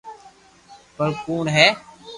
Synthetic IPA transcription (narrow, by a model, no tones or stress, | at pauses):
pəɾkuːnɦɛː